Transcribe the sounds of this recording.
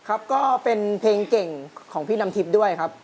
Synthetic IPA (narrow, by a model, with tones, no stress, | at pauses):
kʰa˦˥p̚kɔː˥˩pe˧npʰeː˧ŋke˨˩ŋkʰɔː˩˦ŋpʰiː˥˩na˧mt̪ʰi˦˥p̚du˥˩əjkʰa˦˥p̚